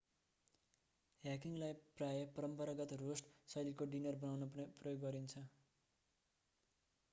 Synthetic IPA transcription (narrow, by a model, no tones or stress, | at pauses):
ɦjakiŋɡlajprajʌpʌɾʌmpʌɾaɡʌt̪rosʈsʌjlikoɖinʌrbʌnawnʌprʌjoɡːʌɾint͡sʰʌ